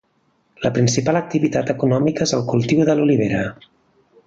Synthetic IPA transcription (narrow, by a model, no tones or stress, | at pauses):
ləpɾinsipalək̚t̪iβit̪at̪əkunɔmikəezəlˠkulˠt̪iwðəluliβeɾə